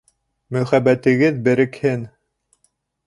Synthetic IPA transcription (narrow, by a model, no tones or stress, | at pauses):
mɵ̆χæbæt̪ɘ̆ɡɘðbɘ̆ɾɘ̆khɘn